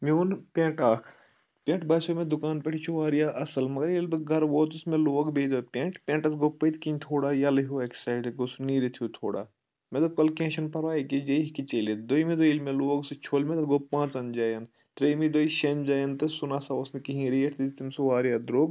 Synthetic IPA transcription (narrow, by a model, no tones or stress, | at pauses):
mioːnpʲẽːʈaːkʰ | pʲẽːɳʈbɐːsomẽd̪ukaːnpʲeʈʰit͡ʃʰuʋaːɾijaːʔɐsɐlmɐɡɐɾelbɨɡʱɐɾʋoːt̪usmẽloːɡbejd̪oːpʲẽːɳʈpʲẽːʈɐsɡoːpːəit̪kinʲt̪ʰoːɽaːjalɐɦoːeksaːjɖɡosuniːɾit̪ʰijut̪ʰoːɽa̰ː | med̪ɐkɐlkẽːʃɐnpɐɾʋaːikid͡ʒeɦkit͡ʃeːlet̪̚d̪oimed̪oilmẽloːɡsɨt͡ʃʰoːlmet̪ɐt̪ɡoːpːãːt͡sɐnd͡ʒaːjɐn | t̪ɾeːmid̪oːiʃeːnd͡ʒaːjɐnt̪ɨsunaːsaosnɨkiɦĩɾijeʈʰd̪it̪t̪imsɨʋaːɾijaːd̪ɾoːb